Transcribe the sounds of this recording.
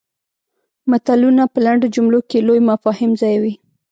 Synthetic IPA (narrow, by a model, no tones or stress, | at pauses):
mat̪alunapəlaɳɖod͡ʒumlokelojmafɑhɪmzɑjwi